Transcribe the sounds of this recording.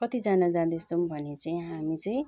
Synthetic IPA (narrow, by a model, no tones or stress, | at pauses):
kʌt̪id͡zanad͡zãd̪est͡sʰombʱʌnet͡saĩɦamit͡sʌĩ